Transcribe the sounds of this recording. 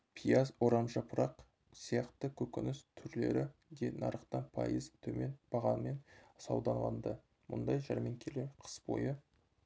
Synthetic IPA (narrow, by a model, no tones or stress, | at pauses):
pʰijazwo̞ɾɑnʒɑpʰʊɾɑq | sijɑqt̪əkʲʰɵkʲɪnɪst̪ʰʏɾle̞̰ɾɪd̪enɑ̰ɾəqt̪ɑnpʰɑ̰jəzt̪ʰɵme̞nb̥ɑʁɑnme̞nsɑwd̪ɑɴʁɑ̰nd̪ə | mʊ̰nd̪ɑjʒɑɾme̞ŋkʲʰeleɾqʰə̥sbo̞̰jə